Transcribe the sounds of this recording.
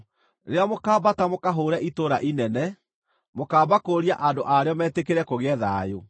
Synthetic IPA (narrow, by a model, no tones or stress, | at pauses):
ɾeamokaːbatamokaɦoːɾɛʔitoɾaʔinɛnɛ | mokaːbakoːɾiaʔandoʔaɾeɔmɛːtekeɾɛkoɣɛðajo